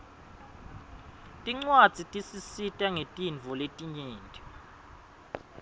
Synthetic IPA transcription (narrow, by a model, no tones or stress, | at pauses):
tʼiŋ͡ǀwad̥z̥ʱitʼisisitʼaŋetʼinvʱɔletʼiɲeːntʼi